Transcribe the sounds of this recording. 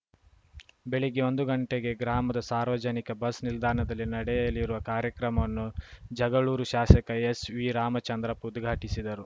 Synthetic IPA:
be̞ɭeɡeo̞nd̪uɡɐɳʈeɡe̞ɡɾaːmɐd̪ɐsaːɾʋɐd͡ʒɐnikɐbɐsnild̪ʱaːɾɐɳɐd̪ɐlːinɐɽɛjɐlːiɾuʋɐkaːɾjɐkɾɐmɐnːud͡ʒɐɡɐɭuːɾuʃaːsɐkɐesʋiɾaːmɐt͡ʃɐnd̪ɾɐpud̪ɡʱaːʈisid̪ɐɾu

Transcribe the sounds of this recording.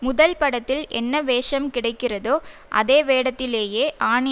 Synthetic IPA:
mʊðɐlpɐɽɐt̪ːɪlʔɛnːɐʋeːʂɐmkɪɽɐɪkːɪrɐðoːʔɐ̰ðeːʋeːɽɐt̪ːɪleːjeːʔaːɳɪ

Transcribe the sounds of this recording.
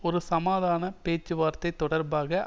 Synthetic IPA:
ɔɾɯsɐmaːðaːnɐpeːt͡ʃːɯʋaːɾt̪ɐɪt̪ːɔɽɐɾbaːɣɐ

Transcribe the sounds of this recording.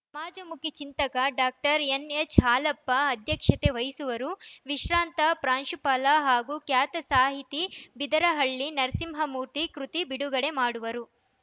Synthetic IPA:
sɐmaːd͡ʒɐmukit͡ʃint̪ɐkɐɖaːk̚ʈɐɾenet͡ʃɦaːlɐpːɐːd̪ʱjɐkʂɐt̪eʋɐjsuʋɐɾuʋiʃɾaːnt̪ɐpɾaːnʃupaːlaɦaːɡuːkjaːt̪ɐsaːɦit̪ibid̪ɐɾɐɦɐɭːinɐɾsimɦɐmuːɾt̪ikɾut̪ibiɽuɡɐɽe̞maːɽuʋɐɾu

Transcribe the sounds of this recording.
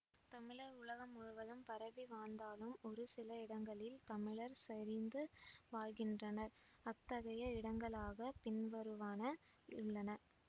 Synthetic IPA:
t̪ɐmɪɭɐɾʊɭɐɣɐmʊɻʊʋɐðɯmpɐɾɐʋiʋaːɳd̪aːlɯmɔɾɯsɪlɐɪɽɐŋɡɐɭɪlt̪ɐmɪɭɐɾsɐɾɪnd̪ɯʋaːɻɣɪndrɐnɐɾ | ɐt̪ːɐɣɐjɐɪɽɐŋɡɐɭaːɣɐpɪnʋɐɾɯʋaːnɐ | ɪɭːɐnɐ

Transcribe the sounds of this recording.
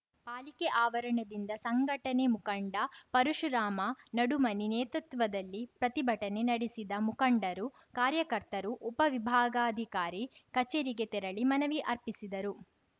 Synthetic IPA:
paːlikeʔaːʋɐɾɐɳɐd̪ind̪ɐsɐŋɡʱɐʈɐnemukɐɳɖɐpɐɾuʂuɾaːmɐnɐɽumɐninɛːt̪ɾut̪ʋɐd̪ɐlːipɾɐt̪ibʱɐʈɐne̞nɐɽisid̪ɐmukɐɳɖɐɾu | kaːɾjɐkɐɾt̪ɐɾuʔɔpɐʋibʱaːɡɐaɐd̪ʱikaːɾikɐt͡ʃeːɾiɡe̞t̪ɛɾɐɭimɐnɐʋiʔɐɾpisid̪ɐɾu

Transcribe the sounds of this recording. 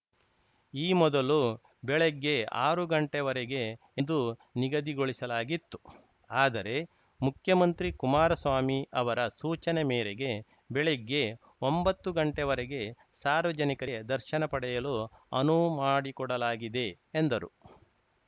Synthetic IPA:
iːmɔd̪ɐlu | bɛɭeɡːe̞a̰ːɾuɡɐɳʈɛʋɐɾeɡe̞ | nd̪uniɡɐd̪iɡoɭisɐlaːɡit̪ːu̥ | aːd̪ɐɾe̞ | mukʰjɐmɐnt̪ɾikumaːɾɐsʋaːmiɐʋɐɾɐsuːt͡ʃɐnemeːɾeɡe̞ | bɛɭeɡːe̞ | ombɐt̪ːuɡɐɳʈɛʋɐɾeɡe̞ | saːɾʋɐd͡ʒɐnikɐd̪ɐɾʃɐnɐpɐɽɛjɐluɐ̰numaːɽikɔɽɐlaːɡid̪e̞ː | nd̪ɐɾu

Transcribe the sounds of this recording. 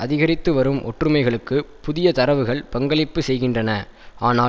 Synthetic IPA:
ɐðɪɣɐɾɪt̪ːɯʋɐɾɯmʔɔ̰ʈrɯmɐɪɣɐɭɯkːɯpʊðɪjɐt̪ɐɾɐʋɯɣɐɭpɐŋɡɐɭɪpːɯsɛjɣɪndrɐnɐaːnaː

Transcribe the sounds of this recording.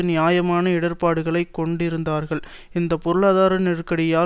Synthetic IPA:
ɯnɪjaːjɐmaːnɐɪɽɐɾpaːɽɯɣɐɭɐɪkːɔɳɖɪɾɯnd̪aːɾɣɐɭ | ɪnd̪ɐpɔɾɯɭaːðaːɾɐnɪrkɐɽɪjaː

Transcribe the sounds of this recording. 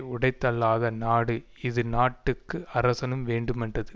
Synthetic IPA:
ʊɽɐɪt̪ːɐɭːaːðɐnaːɽɯ | ɪðɯnaːʈːɯkːɯʔɐɾɐsɐnɯmʋeːɳɖɯmɛndrɐðɯ

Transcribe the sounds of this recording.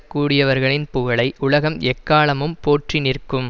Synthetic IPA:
kːuːɽɪjɐʋɐɾɣɐɭɪnpʊɣɐɭɐɪʔʊɭɐɣɐmɛkːaːɭɐmɯmpoːʈrɪnɪrkɯm

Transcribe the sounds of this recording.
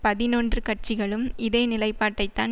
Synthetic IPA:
pɐðɪnoːndrɯkɐʈ̚t͡ʃɪɣɐɭɯmɪðeːnɪlɐɪpːaːʈːɐɪt̪ːa̰ːn

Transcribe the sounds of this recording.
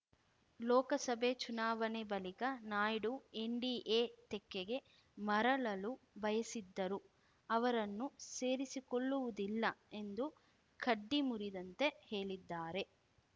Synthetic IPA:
lɔːkɐsɐbʱet͡ʃunaːʋɐnebɐlikɐnaːjɽue̞ɳɖiːʔeːt̪ekːeɡe̞ | mɐɾɐɭɐlubɐjɐsid̪ːɐɾu | ɐʋɐɾɐnːuse̞ːɾisikoɭːuʋud̪ilːɐe̞nd̪u | kʰɐɖːimuɾid̪ɐnt̪e̞he̞ːɭid̪ːaːɾe̞

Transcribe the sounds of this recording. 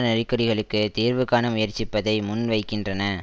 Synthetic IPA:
nɪrɪkːɐɽɪɣɐɭɯkːɯt̪iːɾʋɯkaːnɐmʊjɐɾt͡ʃɪpːɐðɐɪmʊnʋɐɪkːɪndrɐnɐ

